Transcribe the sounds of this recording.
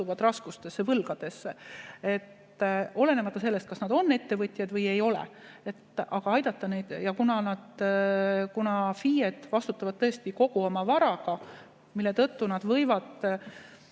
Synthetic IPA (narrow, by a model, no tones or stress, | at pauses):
uvɑd̪rɑskust̪e̞sːevɤlɡ̥ɑd̪̥e̞sːee̞t̪ː | o̞le̞ne̞mɑt̪ːˑɑs̬e̞lːest̪̚kɑsnɑd̪o̞nːe̞t̪ːe̞vɤt̪ʲˑjɑd̪vɤje̞jo̞lḛ | e̞t̪ːˑʔɑɡ̥ɑɑjd̪̥ɑt̪ːˑɑnejd̪̥jɑkunɑnɑd̪̥ | kunɑfiːjed̪̥vɑst̪ut̪ːˑɑvɑd̪̥̚t̪ːɤe̞st̪iko̞ɡ̥uo̞mɑvɑɾɑɡ̥ɑ | milːe̞t̪ɤt̪ːunɑd̪̥vɤjvɑd̪̥